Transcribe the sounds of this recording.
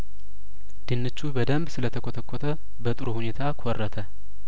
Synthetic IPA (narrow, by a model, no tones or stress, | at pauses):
d̪̥ɨnːɨt͡ʃːubəd̪əmbsɨlət̪ʰəkʰot̪ʰəkʰːot̪ʰə | bət̪ʼɨɾuhunet̪ʰakʰɔrːət̪ʰə